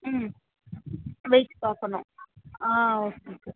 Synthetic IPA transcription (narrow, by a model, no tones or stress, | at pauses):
m | ʋejʈpaːkɐnʊ̃aːoːkeoke